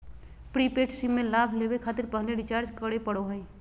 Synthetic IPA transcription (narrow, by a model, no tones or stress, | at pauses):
pɾipeʈsimːelabʱlebekʰat̪ɪɾpəɦleɖit͡ʃaɾd͡ʒkəɽepəɽoɦəj